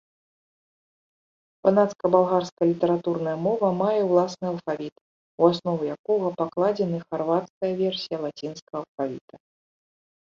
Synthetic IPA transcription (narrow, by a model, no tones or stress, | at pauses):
panat̪skɐbalˠɣarskɐlʲit̪ɛɾat̪urnɐjɐmɔvɐmajɛwlˠasnɨɐlˠfavʲit̪ | uasnɔvujakɔɣɐpaklˠad͡zʲɛnɨxarvat̪skɐjɐvʲɛrsʲijɐlˠat͡sʲinskɐːlˠfavʲḭt̪ɐ